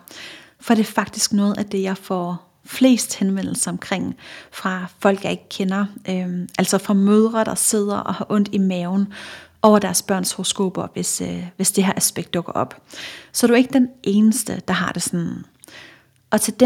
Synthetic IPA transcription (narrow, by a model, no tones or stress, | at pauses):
fɒɾ̥e̝æɐfɑ̈ɡ̥̚d̥isɡ̥nɔ̽ːð̩ˠæd̥e̝jɑ̈ɪfɒ | fle̝̰ːsd̥henʋen̰l̩sɐɒ̽mkʰʁeŋ̰fʁɑ̈fɒ̽l̰ɡ̥jɑ̈ɪe̝ɡ̥ə̥kʰenɐʔøʔæl̰sɒ̽fʁɑ̈møð̞ˠʁɐd̥ɑ̈se̝ð̞̰ˠɐʔɒ̽hɑʔɔ̽n̰d̥imɛːʊn̩ʔɒʊɐdæɐsb̥ɶɐ̰nshoʁosɡ̥o̝̰ːb̥ɐʋesʋe̝sd̥eɦæ̰ɐʔæsb̥eɡ̥̚d̥ɔ̽ɡ̥ɐʔɒ̽b̥sɒ̽dɾuæeɡəd̥enʔe̝ːnəsd̥əd̥ɑ̈ɦɑ̈d̥e̝sɒn | ʔɒ̽t͡sʰe̝d̥